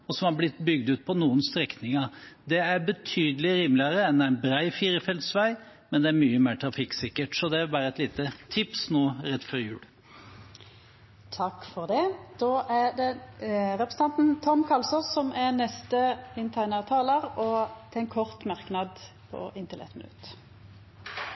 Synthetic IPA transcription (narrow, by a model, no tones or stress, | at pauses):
ɔsɔmhɑɾblɪt̪ːbʏɡd̪ʉːt̪̚pʰɔnuːənst̪ɾɛknɪŋɑɾd̪ɛæɾbət̪ʰyːd̪əlɪɾiːmlɪɑɾəɛnd̪æɪnbɾæɪfiːɾəfɛld̪sʋæɪmɛnd̪ɛæɾmyːəmeːʈ̪ʰɾɑfɪkːsɪkːəʈsɔd̪ɛʋɪlʋæːɾəɛt̪liːt̪ət̪ʰɪpsnoːɾɛt̪ːfɔɾjʉ̰ːl | t̪ʰɑkːfɔʁd̪ɛd̪̥oːʔæd̪ɛʁɛpʁəsn̩ʰɑnt̪n̩t̪ʰɔmkʰɑlsɔsɔmʔænɛst̪əɪnt̪ʰæɪnəʁt̪ʰɑːləʁɔt̪ʰɛɪnkʰɔʁt̪mɑʁknɑd̪pʰɔ̰ʔɪnt̪ɪlʔɛ̰t̪mɪnʉ̰t̪